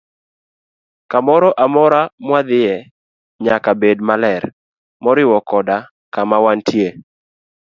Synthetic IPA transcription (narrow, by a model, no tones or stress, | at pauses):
kamɔɾɔʔamɔɾamwad̪ɪjɛ | ɲakabed̚malɛɾ | mɔɾɪwɔkɔda | kamawantʰje